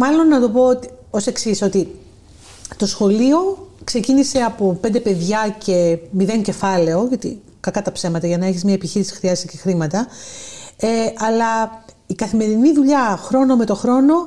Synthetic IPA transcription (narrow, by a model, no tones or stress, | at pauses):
mɐlo̞nːɐt̪o̞po̞ot̪i | o̞se̞ksiso̞t̪i | t̪o̞sxo̞lio̞kse̞cinise̞ɐpo̞pe̞nd̪e̞pe̞ðʝɐcʰe̞miðe̞ɲce̞fɐle̞o̞ʝɐt̪ḭ | kɐkɐt̪ɐpse̞mɐt̪ɐʝɐnɐe̞çizmɲɐepiçiɾisi̥xɾiɐzest̪ice̞xɾimɐt̪ɐ | eɐlɐ | ikɐθime̞ɾiniðuʎɐxɾo̞no̞me̞t̪o̞xɾo̞no̞